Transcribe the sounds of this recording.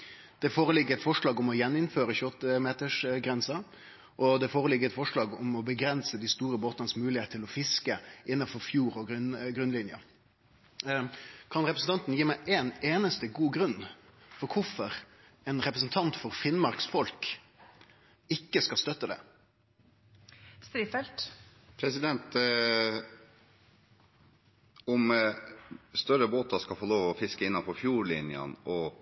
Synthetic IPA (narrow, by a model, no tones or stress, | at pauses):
d̪̥ɛfoːɾəlɪɡːəɛt̪fɔʂɭɑːɡʊmɔjɛnːɪnføːɾəçʉɔt̪ːəmeːt̪əʂɡɾɛnsɑ | ʔɔd̪ɛfoːɾəlɪɡːəɛt̪fɔʂlɑːɡʊmɔbəɡɾɛnsəd̪ɪst̪uːɾəboːt̪ɑnəsmʉːlɪheːt̪ʰːɪlɔfɪskəʔɪnːɑfɔɾfjuːɾɔɡ̪ɡɾʉnlɪnjə̰ | kʰɑnɾɛpɾsn̩t̪ʰɑnt̪n̩jiːmæɪʔeːneːnəst̪əɡuːɡɾʉnːfɔɾkʰʊfɔɾ | ɛnɾɛpɾəsn̩t̪ʰɑnt̪fɔɾfɪnmɑɾksfɔlk | ɪkːəskɑst̪œt̪ːəd̪ɛ̰ | st̪ɾiːfɛlt̪ | pʰɾɛsɪd̪ɛnt̪ | ɔm | st̪œɾəboːt̪ɑskɑlfɔloːʋɔfɪskəɪnːɑfɔfjuːɭɪnjə̰nʔɔ